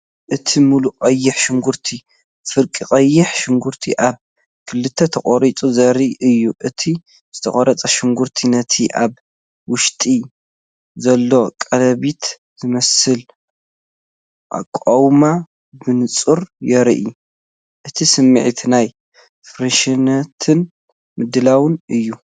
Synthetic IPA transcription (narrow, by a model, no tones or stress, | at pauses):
ʔɨt̪ʰimuluqʼɐjːɪħʃɪŋɡuɾt̪ʰi | fɨɾkʼikʼɐjːɪħʃɪŋɡuɾt̪ʰiʔaβ | kʰɨlːɨt̪ʰːɐt̪ʰɐχʼoɾit͡sʼuzɐɾiʔɨjːuʔɨt̪ʰi | z̥ɨt̪ʰɐ̰χʼɐɾɐt͡sʼɐʃɪŋɡuɾt̪ʰinɐt̪ʰiʔaβ | wʊʃt̪ʼi | zɐlːo̞kʼɐlɐβit̪ | z̥ɨmɐsɨl | ʔa̰kʼowma | bɨnɨt͡sʼɨɾjɛɾʔi | ʔɨt̪ʰisɨmːiʕit̪ʰnaj | fɾiʃinɐt̪ʰɨn | mɨd̪ɨlawɨnʔɨjːu